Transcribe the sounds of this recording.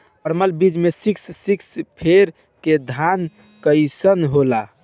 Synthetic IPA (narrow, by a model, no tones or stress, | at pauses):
pəɾməlbid͡ʒmesikssikspʰeɾ | ked̪ʱan | kəɪsənɦola